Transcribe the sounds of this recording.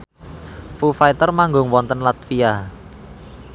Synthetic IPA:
fufait̪ərmaŋɡʊŋwɔnt̪ənlat̪fija

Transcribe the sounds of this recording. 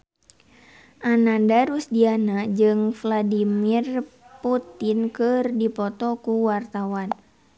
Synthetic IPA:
ʔanadaɾusdianad͡ʒɨŋfladimirput̪ɪnkɨrdipɔt̪ɔkuwart̪awan

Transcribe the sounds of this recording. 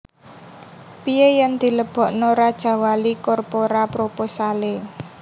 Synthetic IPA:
pijejand̪̥i̤ləb̥ɔ̤ʔnɔɾad̥ʒ̥a̤walikɔrpoɾapɾoposale

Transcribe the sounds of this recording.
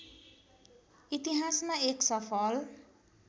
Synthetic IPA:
it̪iɦasmaeksʌfɔl

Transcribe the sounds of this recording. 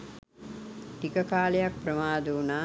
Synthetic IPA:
tikɐkaːlejak̚pɾɐmaːd̪uunaː

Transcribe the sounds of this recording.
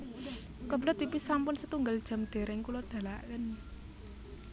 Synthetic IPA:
kəbəlʊt̪̚wipisampʊnsət̪uŋɡald̥ʒ̥a̤md̪̥e̤ɾɛŋkulʊrd̪̥a̤la̰ʔkən

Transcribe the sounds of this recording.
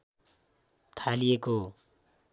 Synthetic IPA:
t̪ʰalijeko

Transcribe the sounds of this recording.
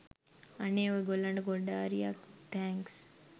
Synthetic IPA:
aneːoɡolːaɳɖəɡoɖaːɾijak̚t̪ʰɛŋks

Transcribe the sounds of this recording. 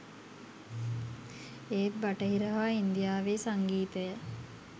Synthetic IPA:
eːt̪̚baʈəɦiɾəɦaːind̪ijaːʋeːsaŋɡiːt̪əjə

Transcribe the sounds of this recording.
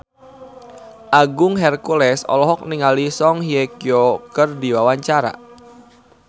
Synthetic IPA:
ʔaɡʊŋɦɛrkulɛsɔ̰lɔɦɔk̚niŋalisɔŋhiekiokərdiwawaɲt͡ʃaɾa̰

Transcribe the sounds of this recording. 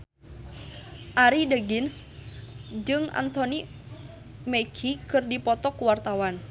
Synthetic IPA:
ʔaɾidəɡins | d͡ʒɨŋa̰nt̪oni | meɡʰikɨrdipɔt̪ɔkuwart̪awan

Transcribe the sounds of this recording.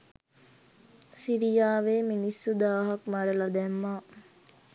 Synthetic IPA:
siɾijaːʋeːminisːud̪aːɦɐkmaɖəlad̪ɛmːaː

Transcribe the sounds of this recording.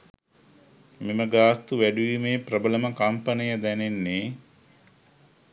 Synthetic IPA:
meməɡaːst̪uʋæɖuʋimeːprəbələməkɐmpənəjəd̪ænenːe

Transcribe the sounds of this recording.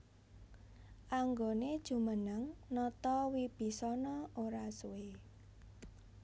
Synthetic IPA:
ʔaŋɡoned̥ʒ̥ṳmənəŋnɔt̪ɔwib̥i̤sɔnɔoɾasue

